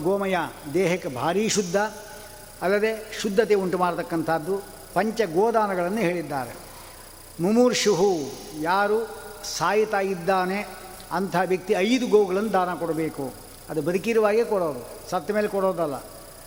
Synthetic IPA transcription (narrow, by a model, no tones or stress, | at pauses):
ɡoːmɐjad̪ɛːɦɐkːɐbʱaːɾiːʃud̪ʱːɐ | ɐlːɐd̪e̞ʃud̪ʱːɐt̪euɳʈumaːɽt̪ɐkːɐnt̪ʰaːd̪ːu | pɐɲt͡ʃɐɡoːd̪aːnɐɡɐɭɐnːuɦeːɭid̪ːa̰ːɾe | mumuːɾʂuɦujaːɾusaːjit̪aːjid̪ːaːne | ɐnt̪ʰaʋjɐk̚t̪iɐjd̪uɡoːɡɐɭɐnːud̪aːnɐkɔɽɐbeːku | ɐd̪ubɐd̪ukiɾuʋaːɡekɔɽoːd̪usɐt̪ːɐmeːlekɔɽoːd̪ɐlːɐ̰